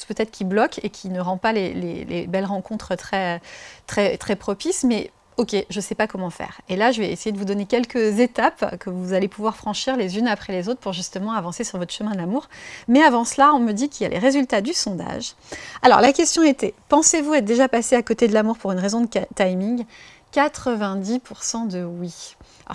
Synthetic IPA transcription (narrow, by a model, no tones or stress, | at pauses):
spøt̪ɛt̪χə̥kʲiblɔkekʲʰinəʁɑ̃palelḛlḛbɛlʁɑ̃kɔ̃t̪χət̪χɛt̪χɛt̪χɛpχɔpismɛ | okʲeʒəsɛpakɔmɑ̃fɛ̰ʁelaʒəvɛesejed̪əvud̪ɔnekʲɛlkəzet̪apkəvuzalepuvwaʁfχɑ̃ʃiʁlezynapχɛlezot̪χəpuʁʒyst̪əmɑ̃avɑ̃sesyʁvɔt̪χə̥ʃəmɛ̃d̪əlamuʁmɛavɑ̃slaɔ̃məd̪ikʲilja̰lʔḛʁezylt̪ad̪ysɔ̃d̪a̰ʒ | alɔ̰ʁlakʲɛst̪jɔ̃et̪ɛpɑ̃sevuɛt̪d̪eʒapaseakot̪ed̪əlamuʁpuʁynʁezɔ̃d̪ət̪ajmĩŋ | kat̪χəvɛ̃d̪ipʰuʁsɑ̃d̪əwḭ